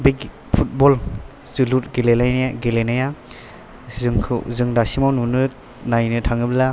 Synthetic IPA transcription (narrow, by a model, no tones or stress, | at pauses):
bik | pʰut̚bɔl | zɯlut̚ɡelelajnaɡelenaja | zɯŋkʰzɯŋdasimawnunɯ | najnɯtʰaŋɯbla